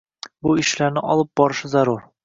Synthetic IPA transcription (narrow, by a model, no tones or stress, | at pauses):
buiʃlæɾnɘʔɒlˠɤp̚bɒɾɤ̆ʃɤzɒɾuɾ